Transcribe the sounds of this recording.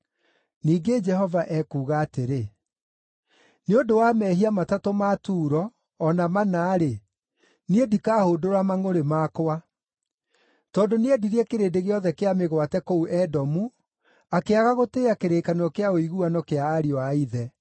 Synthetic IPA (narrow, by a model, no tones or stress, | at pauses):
niːɡed͡ʒɛhɔvaʔɛkuːɣaːteɾe | neondowamɛːɦiamatatomatuːɾɔː | namanaːɾe | niedikaːhoːdoɾamaŋoɾemaːkowa | tɔːndoneɛdiɾeɛkeɾeːdeɣeɔðɛkeameɣwatɛkouʔɛdɔmu | akeaɣaɣoteːakeɾeːkanɔkeaoiɣuanɔkeaːɾiɔaiðɛ